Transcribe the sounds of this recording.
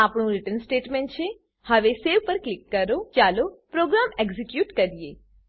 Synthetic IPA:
apɳũɾɪʈənsʈeːʈmẽɳʈt͡ʃʰe | həʋeseʋpəɾklɪkːəɾot͡ʃaːlopɾoːɡɾaːmeɡzikjuːʈkəɾije

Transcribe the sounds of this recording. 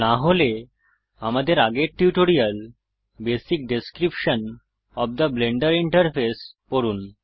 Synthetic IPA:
naɦole | amad̪eɾaɡeɾʈjuʈoɾijəl | besik̚ɖeskɾipʃən | ɔpd̪əbleɳɖəɾiɳʈəɾfʰespɔɾun

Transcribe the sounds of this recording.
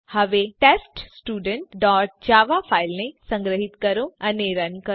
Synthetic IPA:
həʋeʈeːsʈsʈuːɖəɳʈɖɔːɾʈ̚d͡ʒaːʋafʰaːilnesə̃ŋɡɾəɦit̪kəɾõaneɾənkə

